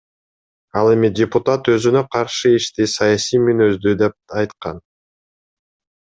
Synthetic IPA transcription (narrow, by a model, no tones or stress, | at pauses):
ɑlˠe̞midʲɪpʊt̪at̪ø̞zynø̞qʰɑɾʃɯiʃt̪isɑjasijmynø̞zd̪yd̪e̞p̚ɑjt̪qɑ̰n